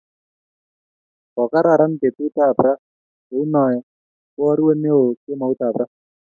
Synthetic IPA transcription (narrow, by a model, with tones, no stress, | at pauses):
kɔ˨ka˦ɾa˨ɾa˦npe˨tu˦ta˦˨bɾa˦ | e˨˦u˦nɔ˨ɛ˨ | wɔ˦ɾwe˦ne˦o˨ke˦ma˨u˦ta˨pɾa˦